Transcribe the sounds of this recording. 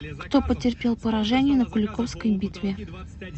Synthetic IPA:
kt̪opətʲɪrpʲelˠpəɾɐʐɛnʲɪjənəkʊlʲɪkofskəjbʲit̪vʲɪ

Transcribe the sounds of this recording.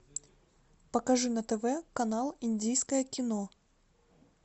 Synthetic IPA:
pɐkaʐɨnɐt̪ɛvɛkanalˠinʲdʲijskɐjɐkʲɪnɔ

